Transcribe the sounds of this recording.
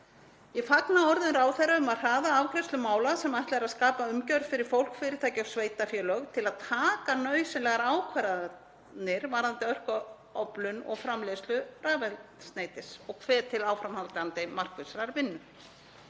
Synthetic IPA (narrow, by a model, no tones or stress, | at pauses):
jɛfaknaɔɾðʏnɾaːwθɛɾaʏmað̥r̥aːðaawkɾɪst̪ʏmaːwlasɛmajht̪laɛɾaðskaːpaʏmcœɾð̥fɪɾɪɾ̥fowl̥kfɪɾɪɾ̥t̪ʰajcɪawsveːjt̪afjœːlœɣt̪ʰɪlaðt̪ʰaːkanœːɥsɪnlɛɣaɾaːwkʰvɛɾa | nɪɾvaːɾant̪ɪœr̥k | ɔplʏnɔ̰ɣfɾamleslʏraːvɛlst̪neːjt̪ɪsɔɣkʰvɛːt̪ʰɪlaːwfɾamhawt̪ant̪ɪmar̥kʏsɾaɾvɪnːʏm